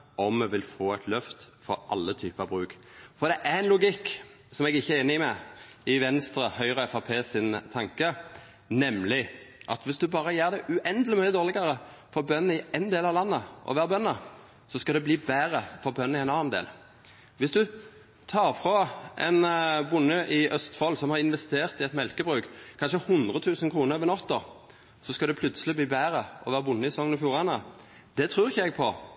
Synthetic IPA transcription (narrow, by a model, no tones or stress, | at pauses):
ɔmːɛʋɪlfoːæɪt̪ʰlœft̪fɔɾʔɑ̰lːət̪ʰyːpəɑʋbʁʉːk | fɔʁd̪ɛʔæɛnlʊɡɪkː | sɔmɛɡɪçːəeːnːəɪmɛɪʋɛnst̪ɾəhœʏʁəɛfɑpʰeːsɪnt̪ʰɑŋkə | nɛmlɪʔɑ̰t̪ʋɪsd̪ʉbɑːɾəjæːʁd̪ɛʔʉʔɛnd̪əlɪmʉːnɪd̪oːʁlɪɡəɾəfɔʁbœnːn̩ɪɛnd̪eːlɑʋlɑnːəʔɔ̰ʋæːʁəbœnːə | sɔskɑd̪ɛbliːbæːʁəfɔʁbœnːɪɛɪnɑːnnd̪ḛːl | ʋɪsd̪ʉ | t̪ʰɑːʁfʁoʔɛnbʊnːəʔɪʔœst̪fɔlsɔmhɑʁɪnʋɛst̪eːʁt̪ɪɛt̪mɛlkəbʁʉːkkʰɑnʃəhʊnd̪ʁət̪ʰʉːsənkʰʁuːnəʁʋənɔt̪ːəʁ | sɔskɑd̪ɛpʰlʉt̪səlɪbliːbæːʁəɔ̰ʋæːʁəbʊnːəɪsɛsɔŋːnɔfjuːʁɑnə | d̪̥ɛt̪ʰʁʉːʁɪçːəɛɡpʰɔ̰